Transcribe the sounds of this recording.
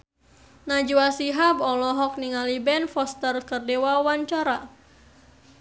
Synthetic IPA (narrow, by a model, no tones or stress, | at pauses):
nad͡ʒuasiɦabɔlɔɦɔk̚niŋalibɛnfɔst̪ərkərdewawaɲt͡ʃaɾa